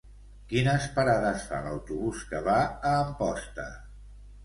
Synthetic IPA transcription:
kinəspəɾaðəsfa̰lə̰wt̪uβuskəβaəːmpɔst̪ə̰

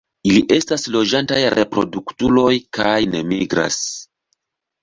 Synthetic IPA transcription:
iliʔe̞staslo̞d͡ʒantajɾʔe̞pɾo̞duktulo̞jkajne̞miɡɾa̰s

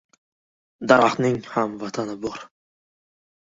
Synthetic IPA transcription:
d̪aɾaχnɪŋhamvat̪ʰanɪbɔɾ

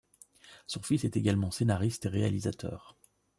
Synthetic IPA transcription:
sɔ̃fisɛt̪eɡalmɑ̃senaʁist̪eʁea̰lizat̪ʰœ̰ːʁ

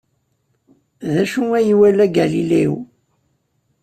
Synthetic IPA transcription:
ðæʃuŋæjiwælæɡæliliw

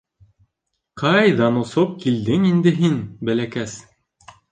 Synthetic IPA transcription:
qɑjðɑnŏsop̚kild̪ɘŋind̪ɘ̆ɦinbælækæs

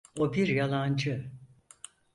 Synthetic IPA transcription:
obiɾjalˠand͡ʒɯ

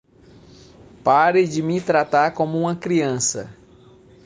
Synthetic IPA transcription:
paɾed͡ʒɪmɪt̪ɾat̪aɾkõmʊũmɐkɾiɐ̃sɐ̰

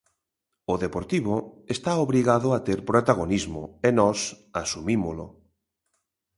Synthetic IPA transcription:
oðepoɾt̪iβoest̪aoβɾiɣaðoat̪eɾpɾot̪aɣonizmo̰enɔs | asumimolʊ̰

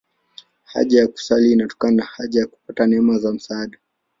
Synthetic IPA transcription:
ha̰ʄajaku̥saliːnatɔ̥kananahaʄajaku̥patanɛmazam̩saːɗa

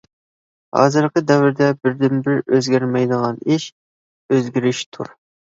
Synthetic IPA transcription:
hɑ̰ːzɨɾqəd̪ɛwɪɾd̪ɛbɪɾd̪ɪnbɪɾøzɡʲæɾmɛjd̪əʁɑniʃ | øzɡʲiɾɪʃt̪ʰṵɾ

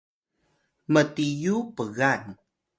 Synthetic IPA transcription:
mətijupəɣan

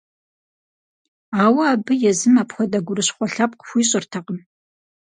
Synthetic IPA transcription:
aːwɐaːbɨjɛzɨmaːpxʷɔdɐɡʷʊɾɨɕχʷɔɬaːp̚qxʷiːɕʼɪrtʰɐqʼəm

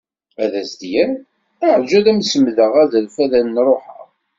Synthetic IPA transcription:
æðæsd̪jæn | æʕd͡ʒæðæmsəmðəʁæðəlfæðænːɾˤoħə̰ʁ

